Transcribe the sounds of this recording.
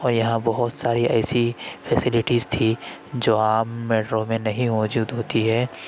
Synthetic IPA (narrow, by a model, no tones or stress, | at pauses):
ɔːɾjɐɦãbɐɦʊt̪saːɾiɛːsifʰɛsɪlɪʈiːzt̪ʰi | d͡ʒoːaːmmɛːʈɾõmẽnɐɦĩmɔːd͡ʒuːd̪ɦoːt̪iɦɛː